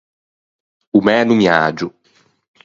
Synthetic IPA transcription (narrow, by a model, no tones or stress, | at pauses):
umɛnũmiad͡ʒʊ